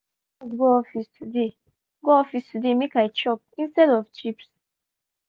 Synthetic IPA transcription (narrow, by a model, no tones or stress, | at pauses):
ɔsɡoɔfistʰude | ɡoɔfistʰudemekajt͡ʃɔp̚ĩnstɛdɔvt͡ʃips